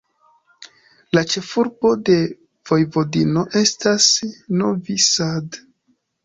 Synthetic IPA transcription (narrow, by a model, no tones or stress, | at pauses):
lat͡ʃe̞fuɾbo̞de̞ | v̥o̞jvo̞dino̞ʔe̞stasno̞visad